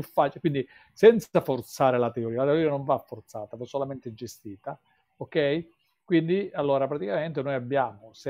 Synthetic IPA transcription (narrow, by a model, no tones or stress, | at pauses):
ufːaːt͡ʃkwind̪i | sɛnt̪safort̪saːɾelat̪eoɾiːalat̪eoɾiːanoɱvafːort̪saːt̪avasːolament̪ed͡ʒest̪iːt̪a | okɛj | kwind̪ialːoːɾapɾat̪ikament̪enojabːjaːmose